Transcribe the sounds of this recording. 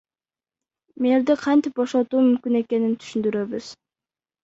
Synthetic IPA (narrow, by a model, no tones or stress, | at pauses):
meɾd̪iqʰɑnt̪ɪp̚bo̞ʃot̪uːmymkʲyne̞ke̞nint̪ʰy̥ʃynd̪yɾø̞βyz̥